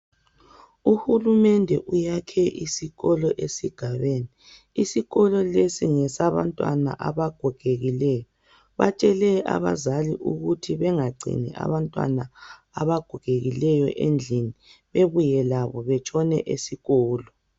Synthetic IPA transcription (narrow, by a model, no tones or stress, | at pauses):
uhulumɛndʱɛʔujakʰɛʔisiɣɔlɔʔesiɡ̥ʱaβeːniː | siɣɔlɔlesiŋɛsaβa̰ntʼwa̰na̰ʔaβaɡ̥ʱɔɡ̥ʱeɣilɛːjɔ | βa̰t͡ʃʼɛlɛa̰βa̰zaliʔuɣutʰiβɛŋaɡ͡ǀʱḭnɛ̰ʔa̰βantʼwa̰na | aβaɡ̥ʱɔkeɣilɛjɔ̰ʔend͡ɮʱiniβeβujɛlaβɔβɛt͡ʃʼʰɔnɛ̰ʔesiɣɔːlɔ